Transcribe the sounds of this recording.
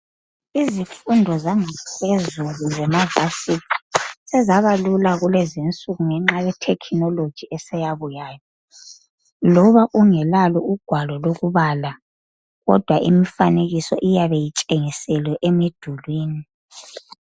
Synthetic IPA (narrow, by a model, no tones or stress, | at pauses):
izifundʱɔzaŋɛsezuluzɛmava̰sisɛzaβalulaɣulezint͡sʼuɣuŋɛŋ͡ǁajɛtʰɛkʰnɔlod̥ʒ̥ʱiɛsɛjaβujaːjɔ | lɔβaʔuŋɛlalɔuɡ̥ʱwalɔloɣuβala | ɣɔ̰d̥ʱwaʔimifaneɣisɔ̰ʔijaβejit͡ʃʼeŋisɛlwɛʔemid̥ʱulwiːni